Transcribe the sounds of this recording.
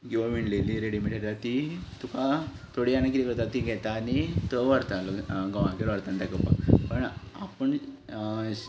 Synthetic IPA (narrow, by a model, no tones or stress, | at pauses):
ɡiʋaʋiɳleliɾeɽimiʈeɾat̪it̪uka | t̪ʰoɽianak̬it̪ikəɾt̪at̪iɡʱɛt̪anit̪əʋəɾt̪aloɡəʋãkeɾʋəɾt̪ant̪akəpa̰pəɳapəɳ